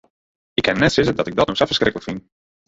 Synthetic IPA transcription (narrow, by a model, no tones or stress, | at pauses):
ɪkʰːɛnːɛtsɪtədɔtɪɡ̚dɔtnoxsɛfə̥skrɪkələkfin